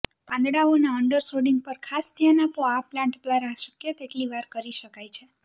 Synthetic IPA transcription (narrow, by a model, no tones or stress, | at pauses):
pãnd̪ɽaonaəɳɖəɾsoɖiŋɡ̚pəɾkʰasd̪janapoaplãɳʈd̪ʋaɾaʃəkjət̪eʈliʋaɾkəɾiʃəkajt͡ʃʰe